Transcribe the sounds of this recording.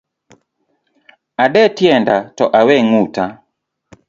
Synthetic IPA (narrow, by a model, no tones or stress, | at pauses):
aɗɛtjɛndatɔʔawɛŋuta